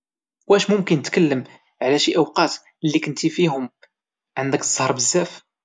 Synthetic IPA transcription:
wæʃmʊmkənːət̪kəlːəm | ʕlæʃiʔəwqɑt̪ | lːikənt̪ifiɦʊm | ʕənd̪ək̪zˤhɑɾˤbəzːæf

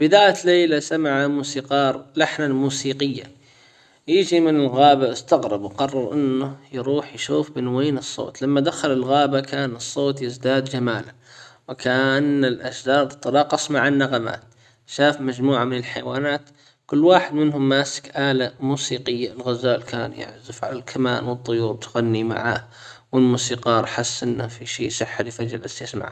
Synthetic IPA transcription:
b̥ɪd̪aːjat̪leːlasamaʕamuːsiːqɑːɾˤlaħnalmuːsiːqɪjːa̰ | jɪd͡ʒimɪnɪlɣaːbaʔɪst̪aɣɾˤɑbwqɑrˤːɑɾˤʔɪnːʊjɾuːħjʃuːfbɪnweːnɨsˤːo̰ːt̪lamːad̪axalɪlɣaːbakaːnɨsˤːoːt̪jɪzd̪aːd̪d͡ʒamaːla | wɪkaʔnːɪlʔazd̪aːd̪t̪ːˤɑlɑːqːɑsˤmaʕanːaɣama̰ːt̪̚ | ʃaːfmad͡ʒmuːʕamɪnɪlħajwaːnaːt̪ | kʊlːwaːħɪd̪mɪnɦʊmːaːsɪ̥kʔaːlamuːsiːqɪjːaɪlɣazaːlkaːnjɪ̰ʕzɪfʕa̰lalkʰama̰ːnwɨt̪ˤːʊjuːɾˤt̪ɣanːima̰ʕa̰ːh | wɪlmuːsiːqɑːɾˤħasːʔɪnːafiʃiːʔsˤɨħːalɪfad͡ʒɪlʔasjasma̰ʕa̰ː

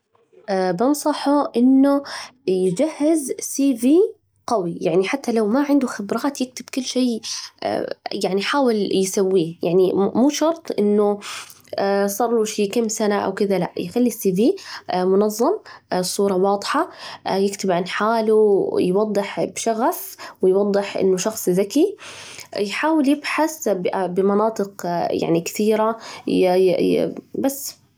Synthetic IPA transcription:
ʔbɪnsˤɑħʊʔɪnːʊjɪd͡ʒahːɪzsiːviː | qɑwijaʕniħat̪ːalawmaʕɪnd̪ʊxɪbɾˤɑːt̪jɪk̚t̪ɪb̥kʊlːʃḛː | jaʕniħaːwɪljsawːiːjaʕnimuːʃɑɾˤt̪ˤʔɪnːʊ | sˤɑrˤːuʃiːkamsanaʔa̰wkɪðala̰ʔjxalːisiːviːmʊnɑðˤːɑmsˤuːɾˤɑwɑːd̪ˤħɑjɪkt̪ɪbʕanħaːlujwɑd̪ˤːɨħbʃaɣafwɪjwɑd̪ˤːɨħʔɪ̰nːʊʃɑxsˤðaki | jħaːwɪljɪbħaθbbɪmɑnɑːt̪ˤɨqja̰ʕnikɪ̥θiːɾa | basː

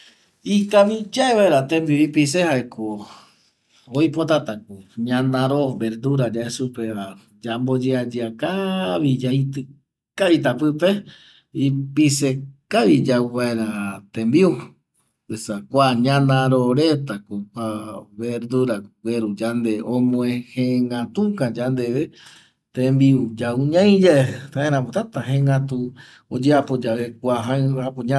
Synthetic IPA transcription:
ikaβid͡ʒaeβaeɾat̪embiuipisehaekʰo | ojpot̪at̪ak̚uɲãnãɾobeɾd̪uɾad͡ʒaesupea | d͡ʒambod͡ʒead͡ʒiakaβid͡ʒait̪ɨ | kait̪apɨpe | ipisekaβid͡ʒaβaeɾat̪ẽmbiu | esakʷaɲãnãɾoɾet̪akopaβeɾd̪uɾaɡweɾud͡ʒand̪eõmõehẽŋɡãt̪ukãd͡ʒand̪eβe | t̪ẽmbiud͡ʒauɲãj̃d͡ʒaet̪aẽɾ̃ãmot̪at̪aɦẽŋɡat̪u | od͡ʒeapod͡ʒaβekʷaɦãapoɲa

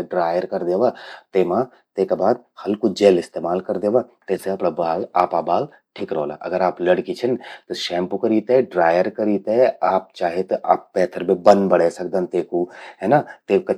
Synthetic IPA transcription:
ɖɾaːjəɾkɐɾd̪eːʋat̪eːmã | t̪eːkabaːd̪̚hɐlkud͡ʒeːlɪst̪eːmaːlkɐɾd̪eːʋat̪ɛːseɐpɽabaːlaːpabaːl | ʈʰikɾoːla̰ʔɐ̰ɡəɾaːplɐɽkit͡ʃʰənt̪oʃɛ̃ːmpukɐɾiːt̪eɖɾaːjəɾkɐɾiːt̪eaːp̚t͡ʃaːɦet̪ʔaːpːɛːt̪ʰəɾmẽbɐ̃nd̪bɐɽesɐkd̪ə̃nt̪eːkuɦɛːnat̪eːkɐ

